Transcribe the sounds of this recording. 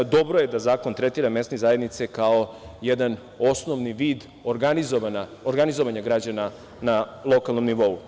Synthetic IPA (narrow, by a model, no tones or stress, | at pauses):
d̪o̞bɾojed̪azaːkont̪ɾet̪iːɾame̞st̪nezaːjed̪nit̪sekao̞jed̪an | o̞snoʋniʋiːd̪ | oɡanizoʋanaoɾɡanizoʋaɲaɡɾad͡ʑana | nalˠo̞kalˠno̞mniʋo̞u